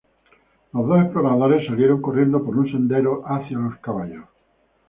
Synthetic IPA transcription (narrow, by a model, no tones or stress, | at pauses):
lozðoepɾoɣɾaaðoɾesːaljeɾo̞ŋkorje̞nd̪opoɾunsẽ̞nd̪eɾoʔaθjaloskaβaʎos